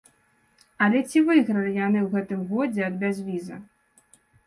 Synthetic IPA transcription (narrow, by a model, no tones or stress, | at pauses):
ɐlʲɛt͡sʲivɨjɣɾɐlʲijanɨwɣɛt̪ɨmɣɔd͡zʲɛɐd̪̚bʲazʲvʲizɐ̰